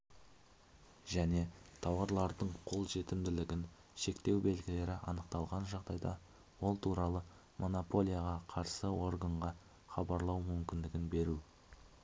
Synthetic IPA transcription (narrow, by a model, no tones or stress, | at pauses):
ʒæne̞t̪ʰɑwɑɾlˠɑɾd̪əɴqʰo̞lˠʒe̞t̪ɪmd̪ɪlɪɡʲɪn | ʃe̞kt̪e̞wbe̞lɡʲɪle̞ɾɪʔɑ̰nəqt̪ɑlˠʁɑnʒɑʁd̪ɑjd̪ɑ | wo̞lˠt̪ʰuɾɑlˠə | mʔo̞nopo̞lʲˠijaʁɑqʰɑɾsəwo̞ɾɡəɴʁɑ | χɑbɑɾlˠɑwmʏmkʲɪnd̪ɪɡʲɪnbe̞ɾu